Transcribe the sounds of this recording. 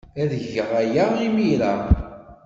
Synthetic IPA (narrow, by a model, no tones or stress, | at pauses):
æðəʝəʁæjəʁimilæ